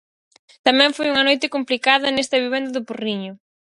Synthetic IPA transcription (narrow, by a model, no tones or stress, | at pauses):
t̪ɐmɛ̃ɱfojuŋɐnojt̪ɪkomplikaðɐnest̪ɐβiβɛnd̪ɐðʊporiɲʊ